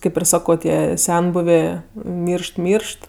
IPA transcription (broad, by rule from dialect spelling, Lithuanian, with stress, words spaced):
ˈkɐɪp ɪr ˈsɑːkoː ˈtʲiɛ ˈsʲɛnbʊʋʲeː ˈmʲiːrʃt ˈmʲiːrʃt